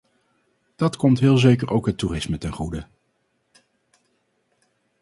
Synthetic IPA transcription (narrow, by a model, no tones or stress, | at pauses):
d̥ɑtkɔmtɦɪːlˠzejkəɹʔowkɦəturɪsmətɛnχudə